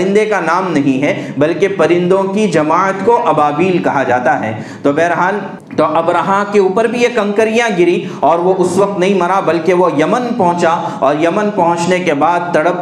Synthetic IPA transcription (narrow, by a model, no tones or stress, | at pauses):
ɪ̃nd̪ekanaːmnɐɦĩɦɛbɐlkepɐɾɪ̃nd̪õkid͡ʒɐmaːət̪koʔɐbaːbiːlkɐɦad͡ʒaːt̪aɦɛ̰ː | t̪oːbɛːɾɦaːl | t̪oʔɐbɾaɦãkeuːpəɾbʱijekɐ̃ŋkəɾijãɡɪɾĩɔːɾʋoʔʊsʋɐq̚t̪nɐɦĩmɐɾabɐlkeʋojɐmənpɐ̃ɦʊ̃t͡ʃa | ɔːɾjɐmənpɐɦʊ̃t͡ʃnekebaːd̪̚t̪ɐɽəp